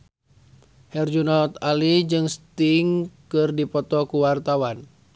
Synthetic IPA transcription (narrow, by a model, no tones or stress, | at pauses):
hɛrd͡ʒunɔt̪alid͡ʒɨŋst̪iŋkɨrdipɔt̪ɔkuwart̪awan